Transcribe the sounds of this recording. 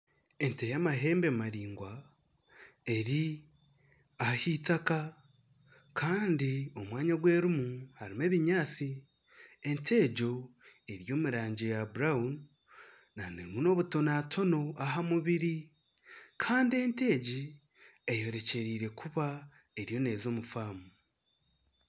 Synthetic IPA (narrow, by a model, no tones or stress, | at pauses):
e̞ntejamaɦe̞ːmbemaɾiːŋɡwa | e̞ɾi | ahitaka | kʰaːndio̞mwaːɲaɡwe̞ːɾumuhaɾime̞ːβiɲaːt͡si | e̞ntʰe̞ːɟo̞e̞ɾjo̞ːmuɾaːɲɟejabuɾaunː | anḛmuno̞ːβuto̞naːtʰo̞no̞ʔaɦamuβiɾi | kʰaːndie̞nte̞ːɟi | ejo̞ɾe̞ce̞ɾiːɾe̞kʰuβa | e̞ɾjo̞ne̞ːzo̞ːmufaːmu